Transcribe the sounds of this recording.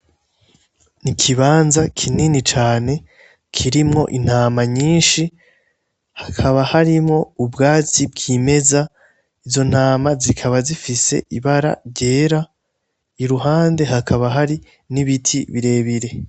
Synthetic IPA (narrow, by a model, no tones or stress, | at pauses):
nikʰiβaːnzakʰininit͡ʃaːne̞ | kʰiɾimŋo̞̰ʔin̥haːmaɲiːnʃi | hakʰaβahaɾimŋo̞ubɡaːt͡sibɡiːme̞za | izo̞n̥aːmazikʰaβazifise̞̰ʔiβaɾa̰ɾɟe̞ːɾa | iɾuɦaːnde̞ɦakʰaβaɦaɾi | niβitʰiβiɾe̞ːβiɾe̞